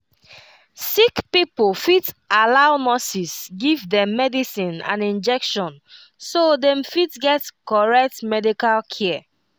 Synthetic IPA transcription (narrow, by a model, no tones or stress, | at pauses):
sikpipolfitalaʊnɔsisɡivdɛ̃mːɛdisĩnã̰nĩnd͡ʒɛkʃɔ̃n | sodɛ̃mfitɡɛtkɔɹɛk̚tmɛdikalkʰɛ